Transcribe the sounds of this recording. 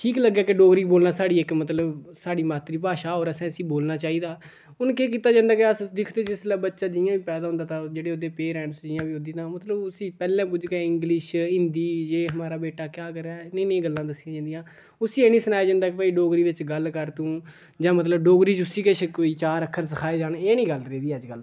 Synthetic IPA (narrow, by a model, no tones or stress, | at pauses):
ʈʰiːkləɡːjaːkeɖoːɡɾiːboːlnaːsaːɽiːɪkmət̪ləbsaːɖiːmaːt̪ɾiːpaːʃaːɦoːɾəsɛ̃ːəsiːboːlnaːt͡ʃaːiːd̪aː | ʊnkeːk̬iːt̪aːd͡ʒãːnd̪aːkeəsd̪ɪkʰd̪eːd͡ʒɪslɛːbətːʃaːd͡ʒɪjãːʋiːpɛːd̪aːɦʊnd̪aːt̪ãːd͡ʒeːɽeːoːd̪eːpeːɾɛ̃ːɳʈsd͡ʒɪjãːʋiːoːd̪iːt̪ãːmət̪ləbʊsiːpɛːlɛ̃ːp̬ʊd͡ʒkɛ̃ːɪ̃ŋɡlɪʃɪnd̪iːd͡ʒeːɦəmaːɾaːbeːʈaːkjaːkəɾɛːnẽiːnẽĩːɡəlːãːd̪əsɪjãːd͡ʒãːnd̪ijãː | ʊsiːeːnĩːsənaːjaːd͡ʒãːnd̪aːkepəiːɖoːɡɾiːʋɪt͡ʃɡəlkəɾt̪ũː | d͡ʒãːmət̪ləbɖoːɡɾiːd͡ʒʊsiːket͡ʃʰkoːiːt͡ʃaːɾəkʰːəɾsəkʰaːeːd͡ʒaːneːnĩːɡəlɾeːd̪iːəd͡ʒɡəl